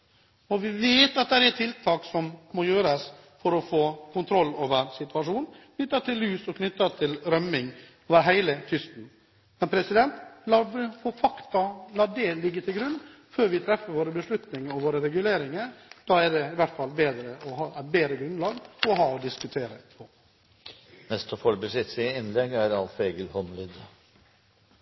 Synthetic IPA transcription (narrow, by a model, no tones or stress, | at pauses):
ɔʋɪʋeːt̪ɑt̪̚d̪æɾæt̪ʰɪlt̪ʰɑːksɔmmɔjøːɾɑs | fɔɾɔfoːkʰʊnt̪ʰɾɔlːoːʋəɾsɪt̪ʉɑʂuːnkʰnʏt̪ːɑt̪ʰɪlːʉːsɔkʰnʏt̪ːɑt̪ʰɪlɾœmːɪŋ | oːʋəɾɦæɪlət̪ʰʏst̪n̩ | mɛnpʰɾɛsɪd̪ɛnt̪lɑːfɔfɑkt̪ɑlɑːɖɛlɪɡːət̪ʰɪlɡɾʉnː | føːɾʋɪt̪ʰɾɛfːəɾʋoːɾəbəʂɭʉt̪nɪŋəɾɔʋoːɾəɾɛɡʉleːɾɪŋəɾd̪̥ɑːæɖɛɪʋæʈfɑlbeːd̪ɾəɔhɑːʔæɪt̪̚beːd̪ɾəɡɾʉnd̪lɑːɡɔɦɑːɔd̪ɪskʉt̪ʰeːɾə̰pʰɔ | nɛst̪ɔfɔɾbəsɪt̪sɪɪnlɛɡæɾɑlseɡəlhɔnlɪd̪